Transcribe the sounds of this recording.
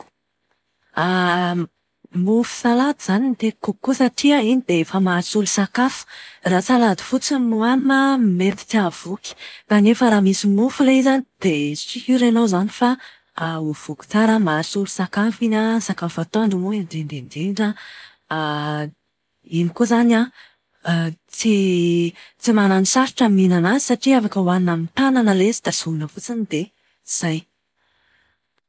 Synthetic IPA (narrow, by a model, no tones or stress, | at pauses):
a | mufu̥salad̪izanint̪ekukːusaʈ͡ʂiəinid̪̥eefəmaɾisulusakafu̥rat͡salad̪i̥fut͡simuanməmet̪i̥t̪iav̥ukʲi̥kanefəɾaːmisimufuleizanid̪̥et͡ʃihiɾenowzanifa | uv̥uku̥t͡saɾəmaɾisulusakafinəsakafat̪oaɳɖ͡ʐumuidend̪end̪eɖ͡ʐə | inikozana | t͡si | t͡simananisaɾiʈ͡ʂəminanazi̥saʈ͡ʂiafakəwaninamint̪ananəlezid̪asuunəfut͡sinid̪e | iz̥aj